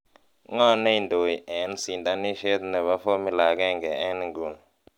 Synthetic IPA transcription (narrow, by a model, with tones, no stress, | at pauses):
ŋa˦ne˦i˦˨ndo˨ji˨ʔɛ˨nsi˨nda˨˦ni˦ʃe˦t̪nɛ˨βa˦fo˦mi˦˨la˨k̬ɛ˦ŋɡɛ˨ɛ˦n˨ŋɡu˨n